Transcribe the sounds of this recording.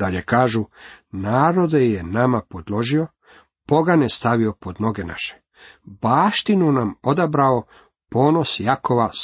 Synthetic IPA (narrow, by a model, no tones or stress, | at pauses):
d̪aʎekaːʒunaːɾo̞d̪ejenamapo̞d̪lˠo̞ʒio̞ | po̞ɡanest̪aʋio̞po̞d̪no̞ɡe̞na̰ʃe̥ | baːʃt̪inunamo̞d̪abɾao | po̞ːno̞sjakoʋa